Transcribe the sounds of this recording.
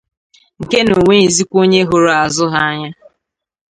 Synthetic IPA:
ŋ̩˨ke˦no˨ŋʷe˦i˨zi˦kʷo˦ɲe˦ɦo˦ɾo˨a˨zʊ˦ɦa˦a˦ɲa˦

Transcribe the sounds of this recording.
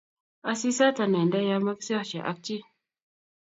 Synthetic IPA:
a˨si˦sa˦ta˨nɛ˨nda˦ja˦ma˦ksɛ˦t͡ʃɛ̰˨ʔa̰˦k̚t͡ʃi˦

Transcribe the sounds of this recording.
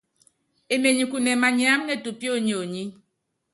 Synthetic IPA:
e˨me˨ɲi˨ku˨ne˨ma˨ɲi˦a˨˦mne˦˨tu˨pjo˦ɲ˨o˨ɲi˦

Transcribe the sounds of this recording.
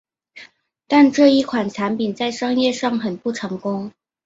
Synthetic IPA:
t̪a˥˧nʈ͡ʂɤ˥˧i˥˩kʰwa˨˩nʈ͡ʂʰa˧˥npi˨˩nt͡sa˥˩ɪʂɑ˥ŋjɛ˥˧ʂɑ˥˩ŋxə˨˩npu˥˩ʈ͡ʂʰɤ˧˥ŋkʊ˥ŋ

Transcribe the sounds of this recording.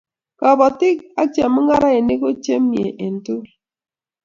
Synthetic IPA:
kɔ˨bɔ˨tɪ˦ka˦t͡ʃɛ˨mʊ˦ŋa˦ɾa˦e˨ne˦ko˦t͡ʃe˦mje˨ʔe˨ntu˦

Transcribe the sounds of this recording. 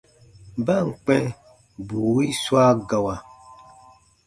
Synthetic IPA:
ba˦˨ŋ̩˨k͡pɛ˦ | bu˨wi˦swa˦ɡa˨wa˨

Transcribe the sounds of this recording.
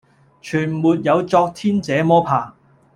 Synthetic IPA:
t͡ʃʰyː˨˩nmuː˨t̚jɐ˨˧wt͡sɔː˧k̚t̪ʰiː˥nt͡sɛː˨˧˥mɔː˥pʰaː˨˩

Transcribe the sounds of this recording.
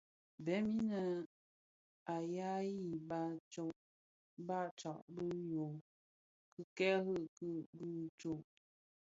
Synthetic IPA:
bɛ˨˦mi˦nə˨ | a˨ja˦ji˦˨ba˦t͡ʃɔ˦ʔ | ba˦˨t͡ʃɔ˨ʔbɨ˦jo˨ | kɨ˦kɛ˦ɦɯ˦ʔkɨ˦˨bɨ˦t͡ʃo˦˨ʔ

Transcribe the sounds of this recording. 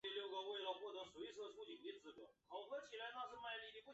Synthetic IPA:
ljo˥˩ʊkə˥˧we˥˧ɪlə˧xwɔ˥˩t̪ɤ˧˥ʂwe˧˥ɪ˧ʂ̩˥˩ə˧tʰu˥t͡ɕi˨˩ŋi˧˥t͡sɹ̩˧˥kwɔ̰˨˩nxɑ˨˩ʊkʰɤ˧˥t͡ɕʰi˨˩la˧˥ɪna˥˧ʂ̬̩˥˧ma˥˧ɪli˥˧˩ni˨˩pu˥˩

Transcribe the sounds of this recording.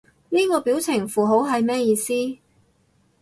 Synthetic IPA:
niː˥kɔː˧piː˨˥wt͡sʰɪ˨˩ŋfuː˨˩ɦo˨˥wɦɐ˨jmɛː˥jiː˨˧siː˥

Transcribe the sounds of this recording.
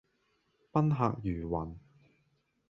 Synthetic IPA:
pɐ˥nɦa̰ː˨k̚jyː˨˩wɐ˨˩n

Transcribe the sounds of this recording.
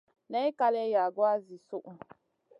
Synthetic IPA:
nɛ˦i˦ka˦lɛ˦ja˨ɡwa˦zi˨su˦ʔu˨

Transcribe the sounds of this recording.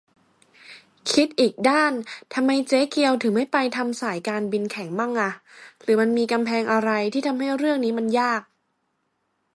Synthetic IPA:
kʰi˦˥t̪̚ʔiː˨˩k̚daː˥˩nt̪ʰa˧mːa˧jt͡ɕeː˦˥ki˧əwt̪ʰɯː˩˦ma˥˩jpa˧jt̪ʰa˧msaː˩˦jkaː˧nbi˧nkʰɛ˩˦ŋma˥˩ŋʔa˧˩ɾɯː˩˦ma˧nmiː˧ka˧mpʰɛː˧ŋʔa˧ɾa˧jt̪ʰiː˥˩t̪ʰa˧mɦa˥˩jɾɯ˥˩əŋniː˦˥ma˧njaː˥˩k̚

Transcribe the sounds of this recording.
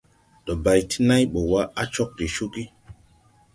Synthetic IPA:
ɗɔ˨ba˨jtʰi̥˦na˦jɓo˨wa˦a˦t͡ʃɔ˦k̚di˨ʃu˦ki˦

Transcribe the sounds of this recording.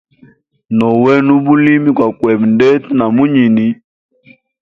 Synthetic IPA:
nɔ˨wɛ˦nu˦bu˦li˦mi˦kwa˨kwɛ˨bndɛ˦tna˨mu˦ɲi˨ni˦

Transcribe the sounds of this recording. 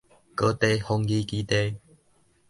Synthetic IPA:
kə˦t̪e˧hɔ˧ŋɡi˦ki˧˦t̪e˦

